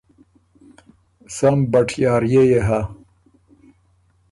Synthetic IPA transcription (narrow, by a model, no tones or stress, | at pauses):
sambɐʈʰjɑːɾjejeɦa